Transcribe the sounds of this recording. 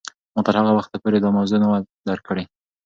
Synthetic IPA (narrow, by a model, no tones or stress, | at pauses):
mɑt̪əɾhaɣawaxt̪apoɾed̪ɑmawzunawad̪aɾkəɽe